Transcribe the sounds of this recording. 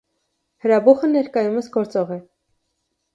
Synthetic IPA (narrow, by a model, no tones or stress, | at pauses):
həɾɑbuχənɛɾkɑjuməsɡɔɾt͡sɔʁɛ